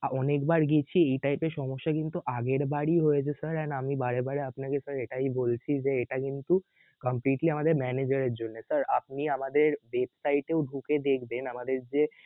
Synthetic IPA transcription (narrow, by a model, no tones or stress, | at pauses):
ɔnekbaɾɡit͡ɕʰiejʈajpeɾʃɔmoʃːakint̪uʔaɡeɾbaɽiɦojet͡ɕʰesəɾɛnamibaɽebaɽeapnakesəɾeʈaijbolt͡ɕʰid͡ʑeeʈakint̪u | kəmpliʈliamad̪eɾmɛned͡ʑaɾeɾd͡ʑonːesəɾap̚niamad̪eɾwebsajʈeoʊɖʱuked̪ekʰbenamad̪eɾd͡ʑe